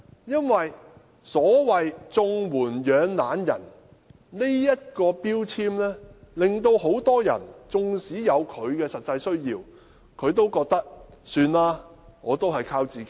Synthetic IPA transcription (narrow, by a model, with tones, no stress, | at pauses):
jɐ˥nwɐ˨j | sɔː˨˥wɐ˨jt͡sʊ˧ŋwuː˨˩njœː˨˧ŋlaː˨˥njɐ̰˨˩n | ne˥jjɐ˥t̚kɔː˧piː˥wt͡sʰiː˥mlɛː˥lɪ˨ŋt̪̬o˧who˨˥wt̪ɔː˥jɐ̰˨˩nt͡sʊ˨˧ŋsiː˨˥jɐ˨˧wkʰɵ˨˧ɥkɛː˧sɐ˨t̚t͡sɐ˧jsɵ˥ɥjiː˧w | kʰɵ˨˧ɥt̪o˥wkɔː˧k̚t̪ɐ˥k̚syː˧nlaː˥ŋɔː˨˧t̪o˥whɐ˨jkʰaː˧wt͡siː˨ke˨˦